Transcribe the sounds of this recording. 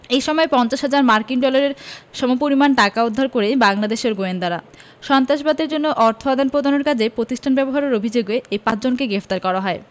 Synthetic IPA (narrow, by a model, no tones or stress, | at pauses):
ejʃɔmɔepɔnt͡ɕaʃɦad͡ʑaɾmaɾkiŋɖɔlaɾeɾʃɔmopoɾimanʈakaud̪ʱːaɾkoɾejbaŋlad̪eʃeɾɡoend̪aɾa̰ | ʃɔnt̪ɾaʃbad̪eɾd͡ʑonːoʔɔɾt̪ʰoad̪ʱanpɾod̪anoɾkad͡ʑepɾot̪isʈʰanbɛboɦaɾeɾobʱid͡ʑoɡeepãt͡ɕd͡ʑonkeɡɾeft̪aɾkɔɾaɦɔe